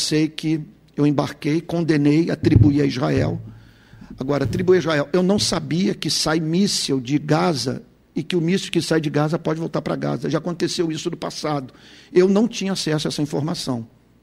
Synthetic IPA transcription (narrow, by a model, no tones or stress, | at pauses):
sejkɪ | ewẽbaɾkejkõnd̪ẽnejat̪ɾibuiɐizhaɛ̰w | aɡɔɾɐt̪ɾibuiɐizʁaɛwewnɐ̃w̃sabiɐkɪsajmisewd͡ʒɪɡazɐ̰ | ɪkɪʊmisɪwkɪsajd͡ʒɪɡazɐpɔd͡ʒɪvowˠt̪aɾpɾɐ̰ɡa̰zɐʒaakõnt̪esewisʊd̪ʊpasad̪ʊewnɐ̃w̃t͡ʃĩɲɐasɛs̬ʊaɛsɐĩfoɾmasɐ̃w̃